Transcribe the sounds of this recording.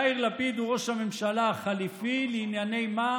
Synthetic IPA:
iʁlapid̪uʁo̞ʃhamemʃalaaχalifilinjane̞jma

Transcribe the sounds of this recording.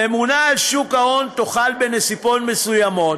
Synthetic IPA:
emunaːlʃukao̞nt̪oχalbenesipotme̞sujamo̞t

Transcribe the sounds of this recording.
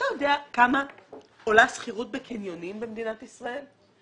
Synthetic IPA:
tajod̪eakama | olasχiʁut̚bekinjo̞nimbemed̪inatisʁae̞l

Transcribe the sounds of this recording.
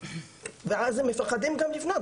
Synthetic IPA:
veʕazhɛmːɪfaqːɑd̪imɡamlɪfnad̪

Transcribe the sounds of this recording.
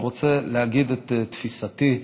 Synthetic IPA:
ʁot͡seleaɡidet̪tfisati

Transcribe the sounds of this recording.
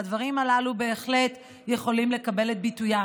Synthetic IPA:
advaʁimalalube̞eχle̞t | je̞χo̞limle̞kabe̞let̪̚bituja

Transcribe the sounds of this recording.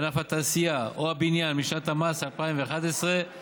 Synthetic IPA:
anafat̪aːsiaʔoabinjanmiʃnat̪hamasalpaimveːχad̪esʁe

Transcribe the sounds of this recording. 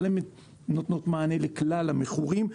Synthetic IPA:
leme | no̞t̪no̞t̪maːne̞leklalameχuʁim

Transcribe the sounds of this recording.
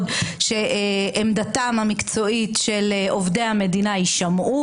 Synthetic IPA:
dʃe̞ʔeʔemd̪atamhamikt͡so̞itʃeleʔovdejhame̞dinaiʃamʔu

